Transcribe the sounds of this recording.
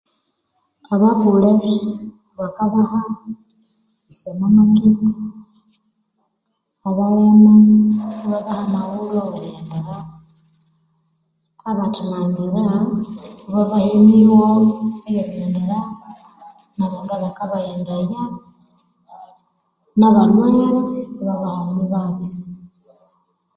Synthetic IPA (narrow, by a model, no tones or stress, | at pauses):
aβaβule | βakaβaha | isemamakiti̥ | aβalemaiβaβahamaβuloɣaɾeːndeɾa | βatʰumaŋɡiɾa | βaβaheniβoejeɾeːndeɾa | naβaːnduaβakaβajeːndaja | naβalweːɾeβaβahamuβat͡si̥